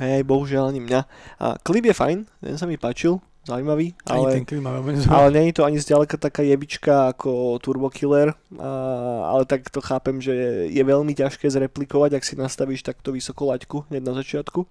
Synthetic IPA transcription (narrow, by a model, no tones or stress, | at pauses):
ɦɛajbɔɦuʒɪalaɲimɲa̰ | klibjɛfa̰jnt̪ɛ̰nsamipaːt͡ʃilˠ | zaʊuimaʋiːʔa̰lɛlimaʋɛmiɲɛzalɛɲɛɲɛt̪ɔaɲizɟalɛkat̪akaːjɛʋit͡ʃkaːkʰɔt̪uɾbɔkʰilɛɾ | a̰lɛt̪akt̪ɔxaːpɛmʒɛjɛʋɛʎmicaʃkɛːzɾɛplikɔʋaɟaksinast̪aʋiːʃt̪aku̥t̪ɔʋisɔkɔlackuɦɲɛɟnazat͡ʃɪat̪ku